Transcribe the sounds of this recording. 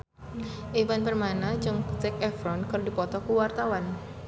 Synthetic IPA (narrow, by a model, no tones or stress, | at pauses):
ʔevanpərmanad͡ʒɨŋt̪ɛk̚ɛfɾɔnkɨrdipɔt̪ɔkuwart̪awan